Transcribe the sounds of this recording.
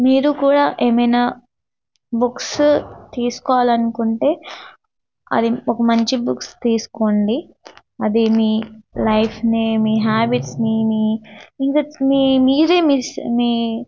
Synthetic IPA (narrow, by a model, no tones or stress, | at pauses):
miːɾukuːɽaːʔe̞ːmɐjnaː | bukst̪iːsu̥kɔːʋaːlɐnukuɳʈe̞ː | ɐ̰d̪iɔkɐmɐɲt͡ʃibukst̪iːsu̥koɳɖi | ɐd̪imiːlɐjpʰnimiːɦaːbiʈsnimiːiŋkamiːmiːɾe̞ːmismiː